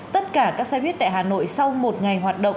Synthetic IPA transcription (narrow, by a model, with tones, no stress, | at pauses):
t̪ə˦˥t̚kaː˧˩kaː˦˥k̚saː˧jhwi˦˥ət̚t̪a̰ː˧˨jhaː˨˩no̰˧˨jsa˧wmo˨˩t̚ŋa˨˩jɦwaː˨˩t̚ɗə̰˧˨ŋ͡m